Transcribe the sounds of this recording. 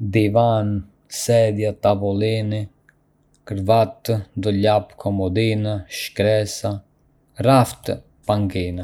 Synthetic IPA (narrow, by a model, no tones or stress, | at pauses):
d̪ivan | sɛd̪jat̪avɔlini | kəɾvat̪d̪ɔlapkʰɔmɔd̪inaʃkɾɛsa | raft̪ | paŋkina